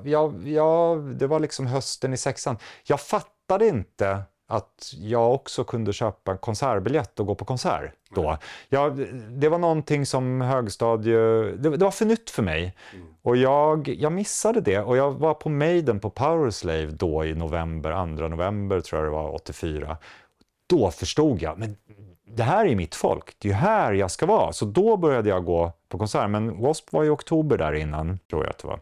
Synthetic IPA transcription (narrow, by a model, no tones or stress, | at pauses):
jɑːjɑːd̪ɛvaɭɪksɔmɦœst̪ənɪsɛksanjɑːɡfat̪ːad̪əɪnt̪ə | at̪jɑːɡɔksɔkʰɵnd̪əɕøːpaɛnkʰɔnsæɾbɪljɛt̪ːɔɡoːpʰɔkʰɔnsæ̰ːɾ | d̥̪ɔjɑːd̪ɛvaɳɔnt̪ʰɪŋːsɔmɦøːɡst̪ɑːd̪jd̪ɛd̪ɛvaɾfœɳʏt̪ːfœɾmɛ̰jɔjɑːɡjɑːɡmɪsːad̪əd̪ɛɔjɑːvaɾpʰɔmɛjd̪ənpʰɔpʰaʊəɾslejvd̪ɔːɪnʊvɛmbə̰ɾa̰nd̪ɾanʊvɛmbəɾt̪ʰɾṵːjad̪ɛ̰va̰ɾɔ̰t̪ːɪfyːɾa̰ | d̪̥ɔfœʂʈuːɡ̪ja̰mɛn | d̪ɛɦæːɾæjɵmɪt̪fɔ̰lkd̪̥ɛjɵɦæːɾjɑskavɑːsɔd̪ɔbœɾjad̪əjaɡoːpʰɔkʰɔnsæːɾmɛnwɔspvaɾɪɔkt̪ʰuːbəɖæ̰ɾɪnːant̪ʰɾṵːja̰a̰t̪d̪ɛva̰